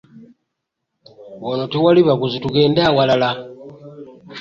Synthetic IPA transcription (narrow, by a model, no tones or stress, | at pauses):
wanotewaliβakuzituɡeːndawalala